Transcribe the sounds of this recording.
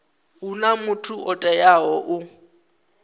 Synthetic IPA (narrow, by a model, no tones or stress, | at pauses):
unamʊtʰuɔtʼɛjaɦɔʔʊ